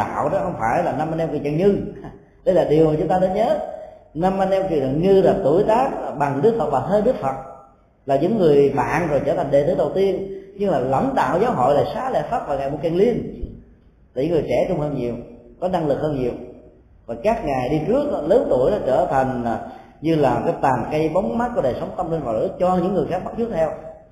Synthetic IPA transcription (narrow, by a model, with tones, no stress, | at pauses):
a̰ː˧˨wɗɔ˨˦hə˧wŋ͡mfaː˧˩jlaː˨˩na˧mʔa˧nʔɛ˧mkɲa˨˩ɲɨ˧ | ɗə˧jlaː˨˩ɗi˨˩əwmaː˨˩t͡ɕʊ˨˦ŋ͡mt̪aː˧ɗə˧˦nɲəː˨˦na˧mʔa˧nʔɛ˧mkḭ˧˨n˨˩ɲɨ˧laː˨˩t̪u˧˩əjt̪aː˦˥k̚ɓa˨˩ŋɗɨ˦˥k̚fə˨˩t̚va˨˩t̪ʰəː˨˦ɗɨ˦˥ək̚fə˨˩t̚ | laː˨˩ɲɨ̰˧˥ŋːɨ˨˩əjɓa̰ː˧˨nzo˨˩jt͡ɕəː˧˩t̪ʰa˨˩ŋ̟ɗe˨˩t̪ɨː˨˦ɗə˨˩wt̪i˧ənɲɨ˧ŋlaː˨˩lə̰˧˩nɗa̰ː˧˨wzaː˨˦wɦo̰˧˨jlaː˨˩saː˨˦lḛ˧˨faː˦˥p̚vaː˨˩wŋaː˨˩jmo˨˩ka˨˩ŋli˧ən | laː˨˩ɲɨ̰˧˦ŋɨ˨˩əjt͡ɕɛ˧˩˦t͡ɕʊ˧ŋ͡mhəː˧nɲi˨˩əwkɔ˨˦na˧ŋlɨ˨˩k̚həː˧nɲi˨˩əw | vaː˨˩kaː˦˥k̚ŋa˨˩jɗi˧t͡ɕɨ˦˥ək̚ləː˨˦nt̪u˧˩əjɗɔ˨˦t͡ɕəː˧˩t̪ʰa˨˩jŋ̟aː˨˩ | ɲɨ˧laː˨˩kaː˨˦jt̪aː˨˩nka˧˦jɓa˨˦wŋ͡mm̚˦˥ku˨˩˦ɗəː˨˩jsə˨˦wŋ͡mt̪ə˧mlə˧nvɔ̰˧˨˩jlɨ̰˧˦˥t͡ɕɔ˧ɲɨ̰˧˥ŋːɨ˨˩əjxaː˦˥k̚ɓa˦˥t͡ɕu˦˥t̪ʰɛ˧w